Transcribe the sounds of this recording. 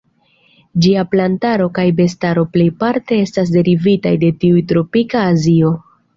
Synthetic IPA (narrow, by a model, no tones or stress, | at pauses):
d͡ʒiaplantaɾo̞kajbe̞staɾo̞ple̞jpaɾte̞e̞stas̬de̞ɾivitajde̞tiujtɾo̞pikaːzio̞